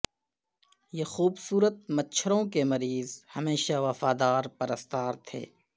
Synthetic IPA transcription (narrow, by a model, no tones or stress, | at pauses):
jeːxuːbsuːɾət̪̚mɐtːʃʰəɾõkemɐɾiːzhɐmeːʃaʋɐfaːd̪aːɾpɐɾəst̪aːɾt̪ʰḛː